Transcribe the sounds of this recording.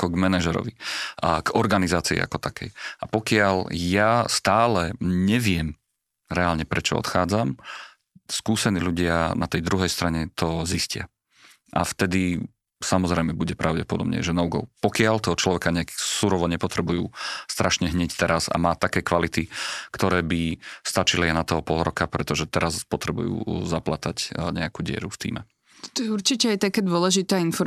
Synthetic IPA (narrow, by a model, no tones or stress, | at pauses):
akɔɡmɛnaʒɛɾɔ̰ʋiɡɔɾɡanizaːt͡siḭa̰kɔt̪akɛjʔapɔkɪaʎjast̪aːlɛɲɛʋɪɛm | ɾɛaːlɲɛpɾɛt͡ʃɔ̰ɔ̰t̪xaːd͡zam | skuːsɛniːluɟɪanat̪ɛjd̪ɾuɦɛjst̪ɾaɲɛt̪ɔziscɪa̰ | ʔa̰ft̪ɛd̪i | samɔzɾɛjmɛbuɟɛpɾaʊɟɛpɔd̪ɔbɲɛ̰ʒɛnɔuɡɔ̰ʊpɔkɪalt̪ɔɦɔt͡ʃlɔʋɛkaɲɛksuɾɔʋɔɲɛpɔt̪ɾɛbujuːst̪ɾʔaʃɲɛɦɲɛct̪ɛɾaza̰maːt̪akɛːkʋalit̪ikt̪ɔɾɛːbist̪at͡ʃiliaɪnat̪ɔɦɔpɔlˠɾɔkapɾɛt̪ɔʒɛt̪ɛɾazpɔt̪ɾɛbṵjṵːzaplat̪acɲɛakuːɟɪɛ̰ɾuft̪ḭːmɛ | t̪ɔ̥t̪ɔjɛuɾt͡ʃicɛajt̪akɛːd̪ʊɔlɛʒit̪aːinfɔɾ